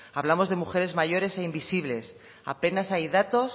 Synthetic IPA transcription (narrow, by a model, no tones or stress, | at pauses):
aβlamo̞zðe̞muxe̞ɾe̞zmaʝo̞ɾe̞se̞imbisiβ̞le̞s | a̰pe̞nasajðat̪o̞s